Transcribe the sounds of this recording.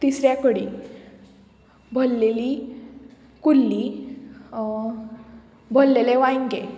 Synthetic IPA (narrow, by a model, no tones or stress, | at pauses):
t̪isɾjãkəɽi | bʱəlːeli | kulːi | bʱəlːeleʋãjŋɡe